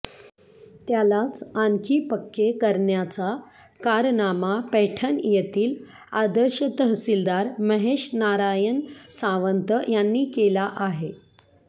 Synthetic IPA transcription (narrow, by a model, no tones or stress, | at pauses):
t̪jalat͡saŋkʰiːpəkːekəɾɳjat͡sa | kaɾnamapɛʈʰənjet̪iːl | ad̪əɾɕət̪əɦsild̪aɾməɦeɕnaɾajənsãʋənt̪əjanːiːkelaʔaɦe